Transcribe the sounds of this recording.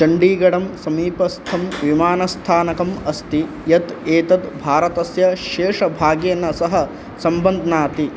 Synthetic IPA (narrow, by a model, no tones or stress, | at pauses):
d͡ʒɐɳɖiːɡɐɽɐmsɐmiːpɐst̪ʰɐmʋimaːnɐst̪ʰaːnɐkɐmɐst̪i | jɐt̪eːt̪ɐd̪bʱaːɾɐt̪ɐsjɐʃeːʂɐbʱaːɡjɐnːɐsɐɦɐ̆ | sɐmbɐnd̪ʱɐnaːt̪i